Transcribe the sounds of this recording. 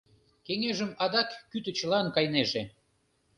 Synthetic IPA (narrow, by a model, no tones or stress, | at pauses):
keŋeʒəmɑd̪ɑkːyt̪ə̆t͡ɕə̆lɑnkɑjneʒe